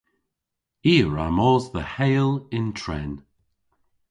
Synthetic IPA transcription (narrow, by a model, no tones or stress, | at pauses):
iːɹamɔːzðəhejlˠɪntʰɹɛ̰n